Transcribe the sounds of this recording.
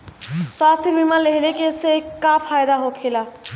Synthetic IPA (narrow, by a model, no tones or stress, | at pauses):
swast̪ʰjibʱimaleɦelekesekːapʰajd̪aɦokʰela